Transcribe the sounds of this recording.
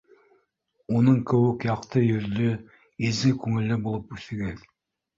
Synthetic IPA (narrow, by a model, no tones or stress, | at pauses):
unɤɴkɘ̆wɘkjɑqt̪ɤjɵ̆ɾd̪ɵ | izɘkʉŋɘ̆lːɘbulˠɤpʉθɘ̆ɡæ